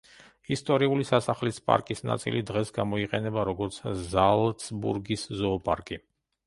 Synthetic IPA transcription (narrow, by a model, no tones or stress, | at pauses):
ist̪ʼɔɾiulisasaχlispʼa̰ɾkʼisna̰t̪sʼḭlʔid̪ʁɛsɡamɔiqʼɛnɛbaɾɔɡɔɾt̪sʰzalˠt̪sʼbṵɾɡiszɔːpʼaɾkʼi